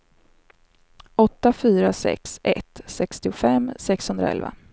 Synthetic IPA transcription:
ɔt̪ːafyːɾasɛ̰ksʔɛ̰t̪sɛkst̪ɪʊfɛmːsɛkshɵnd̪ɾa̰ɛ̰lva̰

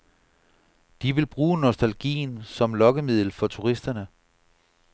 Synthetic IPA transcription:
d̥iʋe̝lb̥ʁuːnosd̥ælɡ̥ḭːnsɒ̽mlɒ̽ɡ̥əmið̞̰ˠl̩fɒ̽t͡sʰuʁisd̥ɐnə

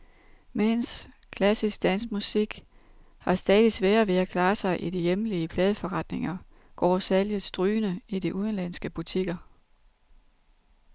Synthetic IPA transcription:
mens | kʰlæsisɡ̥̚d̥æn̰smusiɡ̥ | hɑ̈sd̥ɛːðˠisʋɛːɐʋe̝ækʰlɑ̈ːsɑ̈ɪʔid̥ijemliəpʰlɛːð̞ˠəfɒ̽ʁɑ̈d̥ne̝ŋɐ | ɡ̥ɒ̰ːsæljəð̩ˠsd̥ʁyːnəid̥iʔuð̞ˠən̩læn̰sɡ̥əb̥ut͡sʰiɡ̥ɐ

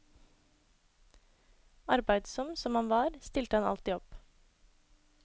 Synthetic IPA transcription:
ɑɾbæɪd̪sɔmsɔmhɑnʋɑːɾst̪ɪlt̪əhɑnɑ̰lt̪iːɔp

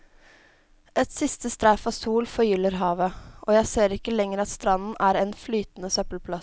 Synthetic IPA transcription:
ʔɛt̪sɪst̪əst̪ɾæːfɑʋsuːlfɔɾjʏlːəɾɦɑːʋəʔoːjæɪseːɾɪkːəlɛŋəɾɑt̪st̪ɾɑnn̩æːɾɛnflyːt̪n̩əsœpəlpʰlɑ

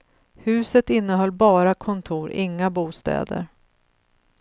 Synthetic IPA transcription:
hʉ̟ːsət̪ɪnːəɦɔlːbɑːɾakʰɔnt̪ʰuːɾɪ̰ŋːabuːst̪ɛ̰ːd̪ə̰ɾ

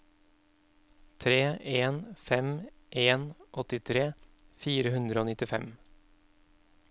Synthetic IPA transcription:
t̪ʰɾeːʔeːnfɛm | ʔeːnʔɔt̪ɪt̪ʰɾeːfiːɾəhʉnd̪ɾəoːnɪt̪ɪfɛ̰m

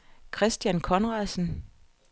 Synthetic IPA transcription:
kʰʁɛsd̥jænkʰɒ̽nʁɑ̈sn̩

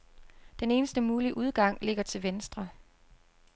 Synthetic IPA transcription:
d̥ene̝ːnəsd̥əmuːliʔuð̞ˠɡ̥ɑ̈ŋ̰le̝ɡ̥ɐt͡sʰe̝lʋensd̥ʁɐ

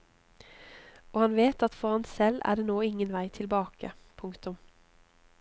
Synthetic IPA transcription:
oːhɑnʋeːt̪ɑt̪fɔʁhɑnsɛlæ̰ːɖeːnoːɪŋənʋæɪt̪ʰɪlbɑːkə̰pʰʊŋkt̪ʊm

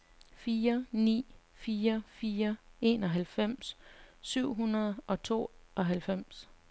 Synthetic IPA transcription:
fiːɐnḭː | fiːɐfiːɐe̝ːnɒ̽ɦælfem̰ssyʊ̰ɦunɐð̞ˠʔɒ̽t͡sʰo̝̰ːʔɒ̽ɦælfem̰s

